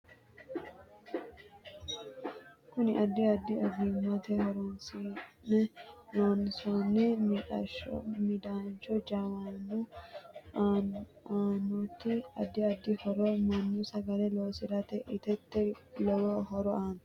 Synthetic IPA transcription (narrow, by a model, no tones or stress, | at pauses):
kʊnɪʔɐd̪ːɪɐd̪ːɪɔɡ̪imɐt̪ɛhɔɾonsinɛloːnːɪsonːɛm̰ | mɪd̪aːnt͡ʃɔd͡ʒaːwanu | aːnɔt̪ːɪɐ̰d̪ːɪɐd̪ːɪhɔɾɔmɐnːusɐɡɐlɛloːsɪɾɐt̪ɛʔɪt̪ɛt̪ːɛlɔwɔɦɔɾɔaːn